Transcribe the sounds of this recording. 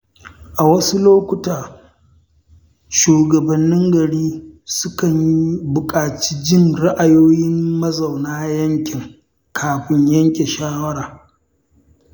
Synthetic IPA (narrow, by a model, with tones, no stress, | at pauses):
ʔa˨wɐ˦su˦loː˦kʷʊ˦taː˨ | ʃuː˨ɡɐ˨bɐ˨nːɪ˦ŋɡɐ˨ɽiː˦sʊ˦kɐ˨ɲji˦bʊ˨kʼaː˨t͡ʃi̥ː˦d͡ʒɪ˦nɽa˦ʔa˨joː˦jɪ˦mːɐ˦zɐ˨wnaː˦jɐ˦ŋkʲɪ˨ŋ | kʰaː˨ɸɪ˦ɲjɐ˦ŋkʲe˨ʃaː˦wɐ˦ɽaː˨